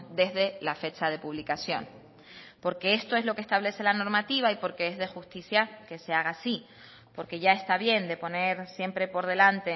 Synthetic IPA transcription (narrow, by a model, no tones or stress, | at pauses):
d̪e̞zðe̞lafe̞t͡ʃaðe̞puβ̞likasjo̞̰n | po̞ɾke̞e̞st̪o̞e̞zlo̞ke̞st̪aβle̞se̞lano̞ɾmat̪iβaipo̞ɾke̞ezðe̞xust̪isjake̞se̞aɣ̞asi | po̞ɾke̞ʝae̞st̪aβje̞nd̪e̞po̞ne̞ɾsje̞mpɾe̞po̞ɾð̞e̞lant̪e